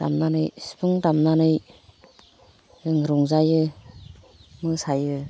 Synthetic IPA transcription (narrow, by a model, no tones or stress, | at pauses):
ta̰mnanɯjsi̥pʰɯŋtamnanɯj | ɯŋɾɔŋzajɯ | mɯsajɯ